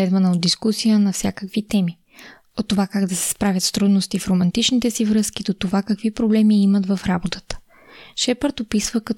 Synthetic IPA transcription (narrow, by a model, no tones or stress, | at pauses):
ɛd̪vɐnəod̪ːiskusijənɐfsʲjakəkvit̪ɛmi | ot̪ːovakaɡd̪ɐsɛ̥spɾavʲjət̪st̪ɾud̪nost̪ifɾomɐnt̪it͡ʃnit̪ɛsivɾɤsk̟id̪ot̪ovakəkvipɾoblɛmiimət̪vɐfɾabot̪ə̥t̪ə̥ | ʃɛpəɾt̪opisvəkɐ